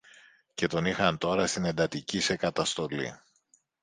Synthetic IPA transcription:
ce̞t̪o̞nixɐnt̪o̞ɾɐst̪ine̞nd̪ɐt̪icise̞kɐt̪ɐst̪o̞lḭ

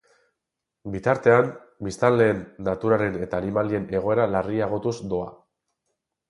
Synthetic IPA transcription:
bit̪aɾt̪e̞am | bist̪anle̞ːnːat̪uɾaɾe̞ne̞t̪aːnimalie̞ne̞ɣ̞o̞e̞ɾalariaɣ̞o̞t̪uszd̪o̞a̰

